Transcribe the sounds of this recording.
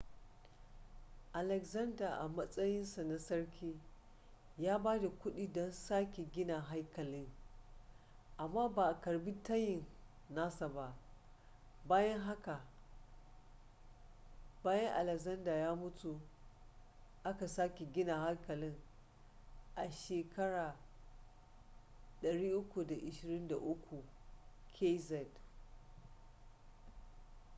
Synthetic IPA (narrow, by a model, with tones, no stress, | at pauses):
ʔa˨lɛ˨kzɐ˦ndaː˨ʔa˨mɐ˦sʼɐ˦jɪ˦nsa˨na˦sɐ˦ɽkʲʰiː˦ | jaː˦baː˦da˨kʷʊ˦ɗiː˦dɔ˦nsaː˦kʲe˨ɡʲɪ˦na˨ɦa˦jkɐ˨lɪ˦ŋ | ʔa˨mːaː˦baː˨ʔa˨kɐ˨ɽbi˦tɐ˦jɪ˨n | na˦sa˨ba˦ʔ | baː˦jɐ˦ŋɦa˦ka˨ | baː˦jɐ˦ŋʔa̰˨lɛ˨kzɐ˦ndaː˨jaː˦mʊ˦tu˨ | ʔa˦ka˨saː˦kʲe˨ɡʲɪ˦na˨ha˦ŋkɐ˨lɪ˦ŋ | ʔa˨ʃeː˨kɐ˦ɽaː˨ | ɗɐ˨ɽiː˦ʔʊ˦kʷu˨da˨ʔɪ˨ʃɪ˨ɾɪ˦nda˨ʔʊ˦kʷu˨kʰe˦zɛ˦d